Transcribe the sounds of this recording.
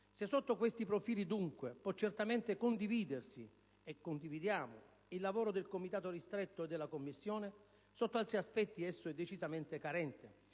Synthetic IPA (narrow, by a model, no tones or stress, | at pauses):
sesːot̪ːokwest̪ipɾofiːlid̪uŋkwepwɔt͡ʃːert̪ament̪ekond̪iviːd̪ersi | ekːond̪ivid̪jaːmo̰ | ilːavɔːɾod̪elkomit̪aːt̪orist̪ɾet̪ːoed̪ːelːakomːisːjoːne | sot̪ːoalt̪ɾiaspɛt̪ːiɛsːoɛd̪ːet͡ʃizament̪ekaɾɛnt̪e